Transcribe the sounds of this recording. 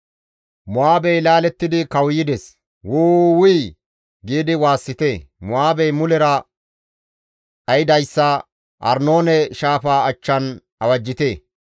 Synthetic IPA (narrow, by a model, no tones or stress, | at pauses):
mʊaːbɛjlaːlɛt̪ːɪd̪ɪkɐwjɪd̪ɛs | wʊːwʊj | ɡiːd̪ɪwaːsːɪt̪eːmʊaːbɛjmʊlɛɾɐ | ʔɐjɪd̪ɐjsːɐ | ʔɐ̰ɾnoːnɛʃaːfaːɐt͡ʃːɐn | ɐwɐd͡ʒːɪt̪eː